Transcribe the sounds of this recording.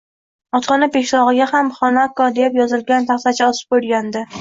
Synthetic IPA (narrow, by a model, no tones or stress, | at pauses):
ɒt̪ʰɒnapeʃlɒʁɨɡʲahamχɒnakɒd̪epjɒzɪlɡʲant̪ʰaχt̪at͡ʃʰaɒsɪ̥p̚bolˠɡʲand̪ɪ